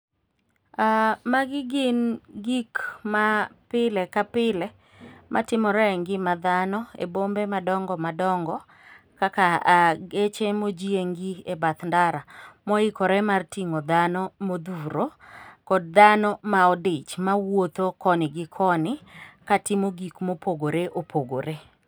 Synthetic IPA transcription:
amaɡɪɡɪnɡikmapɪlɛkapɪlɛ | mʔa̰tɪmɔɾɛŋɡɪmad̪anɔḛbombemadɔŋɡɔmadɔŋɡɔ | kakaaɡet͡ʃemod͡ʒieŋɡiebat̪ndaɾamɔɪkɔɾɛmartiŋod̪anɔmod̪uɾokɔd̚d̪anɔmaɔdɪt͡ʃmawot̪okɔnɪɡɪkʰɔnɪkatɪmoɡikmopoɡoɾeʔopʰoɡoɾe

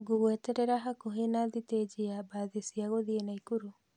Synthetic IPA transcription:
ɡuɣwɛtɛɾeɾaɦakoɦenaðited͡ʒiabaðesiaɣoðienaikuɾu

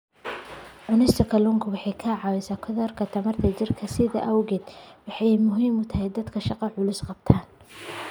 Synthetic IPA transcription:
ʕʊnɪst̪ʰɔkʰɐlʊŋkʰɐwɑħɑjkʰɐʕɑwɛsakʰɔðɔːrkʰɐt̪ʰɐmɐrt̪ʰɐt͡ʃɪrkʰɐsɪðɐ̰ʔɐwɣɛːd̪wɑħɑjmʊɦiːmʊt̪ʰɐɦɛjd̪ɐd̪kʰɐʃɑqɑʕʊlʊsqɑb̚t̪ʰaːn

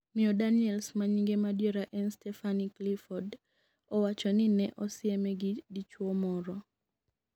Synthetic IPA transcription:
mɪɔdaniɛlsmaɲiŋɡemadjeɾaʔɛnstɛfaniklifɔd | ɔwat͡ʃɔninɛʔɔsɪɛmɛɡidit͡ʃwɔmɔɾɔ

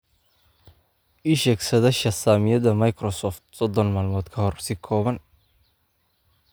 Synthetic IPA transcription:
ʔɪʃɛːksɐðɐʃɐsaːmɪjɐðɐmɐjkrɔsɔːft̪sɔd̪ɔnmaːlmɔːd̪kʰɐhɔrsɪkʰɔːβɐn

